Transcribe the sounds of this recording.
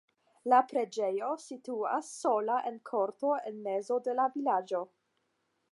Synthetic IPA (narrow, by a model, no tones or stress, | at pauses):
lapɾe̞d͡ʒejo̞situa̰sːo̞laʔenkʰo̞ɾto̞enme̞zo̞de̞lavilad͡ʒo̞